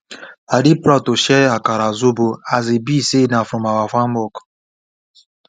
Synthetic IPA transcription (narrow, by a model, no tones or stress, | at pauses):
adipɾatoʃɛakaɾazoboazebisenafumawafam̩bɔk